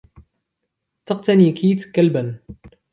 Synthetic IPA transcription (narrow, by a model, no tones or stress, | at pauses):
t̪ɑq̚t̪anikʰiːt̪kːalbən